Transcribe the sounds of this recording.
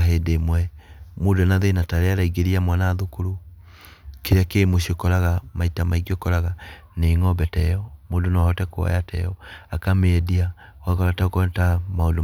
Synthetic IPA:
aɦedemwɛmoːdonaðenataɾeaɾaiɡeɾiamwanaːðokuɾu | keɾakeːmoɕiokɔɾaɣamaitamaiɡiokɔɾaɣa | neŋɔbɛtɛjɔmoːdonaahɔtɛkoa̰jatʰɛ̰jɔakameːdia | wakɔɾataokɔtamaondo

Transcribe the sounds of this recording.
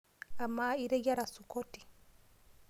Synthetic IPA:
amːaiɾɛjaɾasukotːi̥

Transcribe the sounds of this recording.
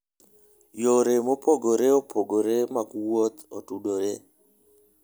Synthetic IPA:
joɾemopoɡoɾeopʰoɡoɾemaɡwot̪otudoɾe

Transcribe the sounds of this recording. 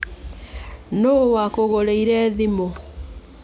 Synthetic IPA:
nowakoɣoɾeiɾɛðimo

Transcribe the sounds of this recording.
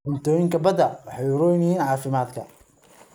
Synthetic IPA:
ʊnt̪ʰɔːjɪŋkʰɐbɐd̪ɐwɑħɑjɾɔjnɐjiːnʕɑːfɪmaːd̪kʰɐ̰

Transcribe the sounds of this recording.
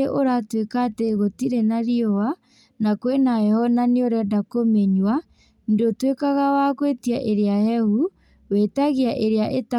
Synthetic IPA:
eʔoɾatwekateɣotiɾenaɾiɔwa | nakwenaɛhɔnaneoɾɛdakomeɲwa | dotwekaɣawakwetiaʔeɾeajɛhu | wetaɣiaʔeɾeaʔeta

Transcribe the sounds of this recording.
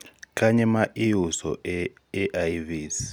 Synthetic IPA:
kʼaɲɛmaʔiusɔ̰ɛː | ʔajviːs

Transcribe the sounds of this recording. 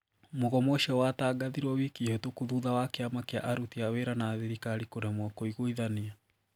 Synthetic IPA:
moɣɔmɔʃiɔwataːɡaðiɾwɔwikihotokuðuðawakeamakeaʔaɾutiaweɾanaðiɾikaɾikoɾɛmwɔkoiɣoiðania

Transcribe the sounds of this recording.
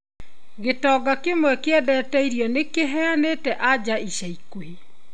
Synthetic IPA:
ɣetɔːɡakemwɛkeɛdɛːtɛiɾjɔnekeɦɛaneːtɛʔad͡ʑaiɕaikwe

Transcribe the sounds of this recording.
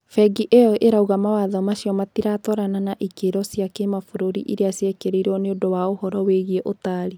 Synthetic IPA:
fɛɡiʔejɔʔeɾauɣamawaðɔmaɕiɔmatiɾatɔɾananaʔikeɾɔsiakemafoɾoɾḭʔiɾeasiɛkeɾeiɾɔneodowaohɔɾɔweɣieʔotaɾi

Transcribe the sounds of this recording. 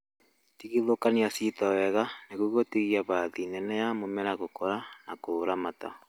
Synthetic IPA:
tiɣiðokaniasitɔwɛɣaneɣuɣotiɣiaβaðinɛnɛjamomɛɾaɣokɔɾanakoɾamata

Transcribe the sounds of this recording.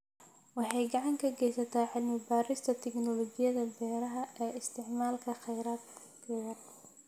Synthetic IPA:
wɑħɑjɡɑʕɑŋkʰɐɡɛjsɐt̪ʰaːʕɪlmɪbaːɾɪst̪ʰɐt̪ʰɛɡnɔlɔɡɪjɐðɐbɛːɾɐɦɐɛːɪst̪ʰɪʕmaːlkʰɐχɛjɾaːd̪ | kʰɛːðɐ

